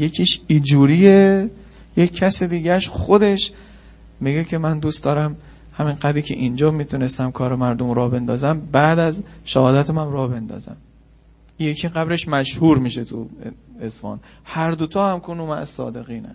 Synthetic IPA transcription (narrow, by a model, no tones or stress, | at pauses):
jecʲʰiːʃid͡ʒuːɾiːe | jeːæsed̪iːɟæʃχo̞d̪e̞ʃ | miɡekʰe̞mænd̪uːst̪d̪ɒːɾæm | hæminɢæd̪ɾiːkcʰḛʔind͡ʒɒːmiːt̪ʰune̞st̪æmkʰɒːɾemæɾd̪omɾɒːbe̞nd̪ɒːzæmbæʔd̪æzʃæhɒːd̪æt̪ʰemæmɾɒːbe̞nd̪ɒ̰ːzæ̰m | jecʰiːɢæbɾe̞ʃmæʃhuːɾmiːʃet̪ʰṵezfɒ̰ːn | hæɾd̪ot̪ʰɒːhæmkʰonumæʔæsɒ̰ːd̪e̞ɣiːnæ̰